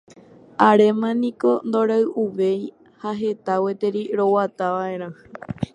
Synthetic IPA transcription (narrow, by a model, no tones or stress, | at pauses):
aɾe̞mãnĩko̞nd̪o̞ɾaɨʔuʋe̞j | haɦe̞t̪awet̪eɾiɾo̞wat̪aʋaẽ̞ɾ̃ãhɨ